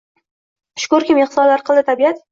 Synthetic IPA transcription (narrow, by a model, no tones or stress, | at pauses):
ʃʊ̥kʊɾkʲɪmɪχsɒllaɾqʰɨlˠd̪ɪt̪ʰabiat̪